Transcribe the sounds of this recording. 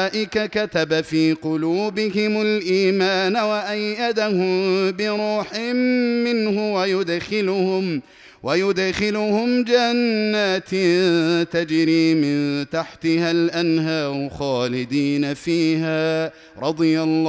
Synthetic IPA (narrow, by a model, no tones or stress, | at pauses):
ʔɪkakat̪abafiːqʊluːbɪhɪmʊlʔiːmaːnawaʔajːad̪ahʊmbɪɾuːħɪmːɪnhʊwajʊd̪xɪlʊhʊm | wajʊd̪xɪlʊhʊmd͡ʒanːaːt̪ | t̪ad͡ʒɾiːmɪnt̪aħt̪ɪhalʔanɦaːɾʊxaːlɪd̪iːnafiːhaː | ɾˤɑd̪ˤɨjalː